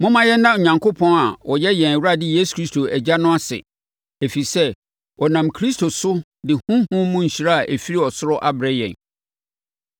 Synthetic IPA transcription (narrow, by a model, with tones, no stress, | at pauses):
mʊ̃˦mã˨jɛ˦nː˦ã˦o˨ɲã˨ŋkʰo˦pʰɔ̃˦na˨wʔɔ˨jɛ˦jɛ̃˨n˨wu˦a˦dɪ˦jeː˦su̥˨kʰɾi˦stʰo˨æ˨d͡ʑa˦nʊ̃˦a˦sɪ̰˨ | e˨fi˨sɛ˦ | ɔ˨nã˨mkʰɾi˦stʰo˨sʊ˦ | dɪ˨hũ˦hʊ̃˦mũ˦ɲ̩˨ɕi˨ɾa˦a˨ʔe˨fi˦ɾi˦ɔ˨sʊ˦ɾɔ˦ʔa˦bɾɛ˦jɛ̰̃˨n